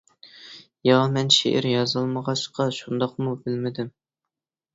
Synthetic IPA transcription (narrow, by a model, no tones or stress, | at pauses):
jɑmɛnʃḛʔɪ̰ɾjɑzɨlˠməʁɑʃqɑʃund̪ɑqmubɪlmɪd̪ɪm